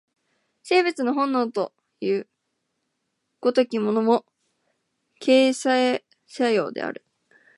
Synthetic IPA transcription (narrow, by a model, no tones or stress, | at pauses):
se̞ːbɯ̟t͡sɨnoɦõ̞nːo̞ːt̪o̞̰ | jɯ̟ː | ɡ̥o̞t̪okʲimo̞no̞mo̞ | kʰe̞ːsae | ɕajo̞̰ːd̪e̞̰a̰ɾɯ̟